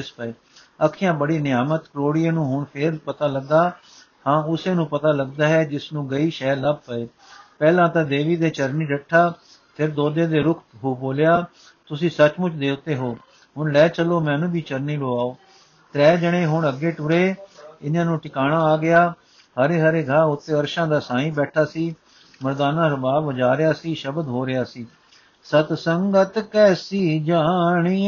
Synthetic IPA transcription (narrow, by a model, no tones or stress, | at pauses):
ɪspəeː | əkʰːɪjãːbəɽiːnɪjaːmət̪kəɾoːɽɪãːnũːɦʊɳpʰɪɾpət̪aːləɡːaː | hãːʊsẽːnũːpət̪aːləɡd̪aːɦɛːd͡ʒɪsnũːɡəiːʃɛːləb̚pəeː | pɛːlãːt̪ãːd̪eːʋiːd̪eːt͡ʃəɾniːɾəʈʰːaː | pʰɪɾd̪oːd̪ẽːd̪eːɾʊkʰɦoːboːljaː | t̪ʊsĩːsət͡ʃmʊt͡ʃd̪eːt̪eːɦoː | ɦʊɳlɛːt͡ʃəloːmɛ̃ːnũːbiːt͡ʃəɾniːloːaːoː | t̪ɾɛːd͡ʒəɽ̃ẽːɦʊɳəɡeːʈʊɾeːɪnjãːnũːʈɪkaːɽaːaːɡɪjaː | həɾeːɦəɾeːɡʱaːʊt̪ːeːəɾʃãːd̪aːsãːĩːbɛːʈʰaːsiː | məɾd̪aːnãːɾəbaːbʋəd͡ʒaːɾɪjaːsiːʃəbd̪ɦoːɾɪjaːsiː | sət̪səŋɡət̪kɛːsiːd͡ʒaːɳiː